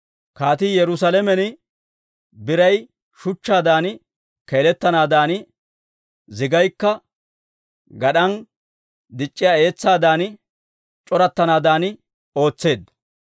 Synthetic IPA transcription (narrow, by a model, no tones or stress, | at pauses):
kaːt̪ɪjɛɾʊsɐlɛmɛnɪ | bɪɾɐj | ʃʊt͡ʃːaːd̪aːnɪ | keːlɛt̪ːɐnaːd̪aːnɪ | zɪɡɐjkːɐ | ɡɐɗɐn | d̪ɪt͡ʃʼːɪjae̞ːt͡sːaːd̪aːn | t͡ʃʼɔɾɐt̪ːɐnaːd̪aːnɪ | o̞ːt͡sːe̞ːd̪ɐ